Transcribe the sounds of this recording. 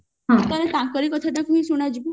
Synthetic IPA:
ɦãt̪aɾekãŋkɔɾikɔt̪ʰaʈakʰuĩsuɽ̃ad͡ʒi

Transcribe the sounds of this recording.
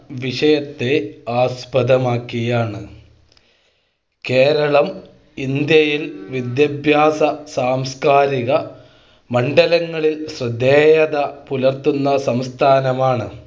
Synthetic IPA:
ʋiʂɐjɐt̪ːe̞aːspɐðɐmaːkːiɣɐjaːɳɨ | ke̞ːɾɐɭɐm | ind̪jɐjilʋid̪jɐbʱjaːsɐsaːmskaːɾiɣɐ | mɐɳɖɐlɐŋːɐɭilɕrɨd̪ːeːjɐðɐpulɐrt̪unːɐsɐmst̪ʰaːnɐmaːɳɨ

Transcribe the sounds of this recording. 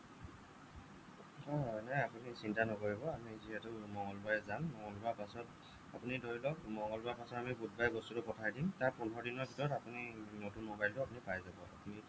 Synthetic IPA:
ɔnɛapunisintanɔkoɹibɔamiziɦɛtʊmɔŋɔlbajɛzamːɔŋɔlbapasɔt | a̰punidoɹilɔkmɔŋɡɔlbaɹpasɔtamibud̚bajbɔstutʊpɔtʰajdimtaɹpunɔɹdinɔɹbʱitɔɹɔtapuninotunmobajltʊapunipajzabɔa̰puni

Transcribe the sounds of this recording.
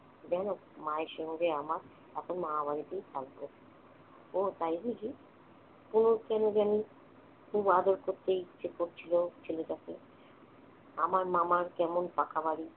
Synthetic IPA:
d͡ʑɛno | maeʃɔɦɡeamaɾ | ɛkʰonmaɦaβaɾit̪ejtalkoe̥ | ot̪ajbiɡi | kunokɛnod͡ʑani | kubad̪oɾkoɾt̪ːeit͡ʃekoɾt͡ɕʰilot͡ɕʰelod͡ʑat̪ʰḛ | amaɾmamaɾkɛmonpakabaɽi

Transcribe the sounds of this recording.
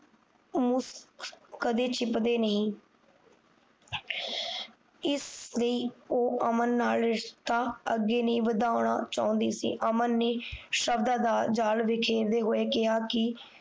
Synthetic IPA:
mʊskkəd̪eːt͡ʃɪpd̪eːnəɦĩː | ɪsləiːoːʔəmənːaːlɾɪʃt̪aːəɡːeːnəĩːʋəd̪aːʊɽ̃a̰ːt͡ʃaːʊ̃nd̪ḭːsḭːʔəmənːeːʃəbd̪aːd̪aːd͡ʒaːlʋɪkʰeːɾd̪eːɦoːeːkɪɦaːkɪ

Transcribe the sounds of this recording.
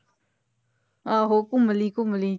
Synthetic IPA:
aɦokũməlikũməli

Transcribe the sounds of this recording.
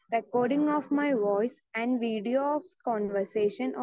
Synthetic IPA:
ɾekɔːɾɖɪ̃ŋɔːʋmaɪʋɔɪsɛ̃nɖʋiːɖioɔʋkɔ̃ːnʋəɾseːʃə̃n

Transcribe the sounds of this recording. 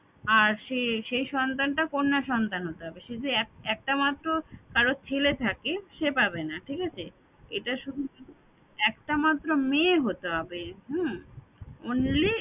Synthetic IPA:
aɾʃeʃejʃɔnt̪anʈakonːaʃɔnt̪anɦot̪eɦɔbeʃed͡ʑeɛɛk̚ʈamat̪ːɾokaɾot͡ɕʰelet̪ʰakeʃepabenaʈʰikat͡ɕʰe | ḛʈaʃud̪ʱui | ɛkʈamat̪ːɾomeɦot̪eɦɔbeɦu | onli

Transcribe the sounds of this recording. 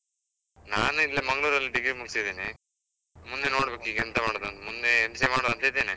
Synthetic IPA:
naːnuilːɐmɐŋɡɐɭuːɾɐlːiɖiɡɾimuɡsid̪iːni | mund̪eno̞ːɽbeːkiːɡɛnt̪ɐmaːɽod̪ɐnt̪ɐmund̪eːmsemaːɽoðɐnt̪ɐeid̪eːni

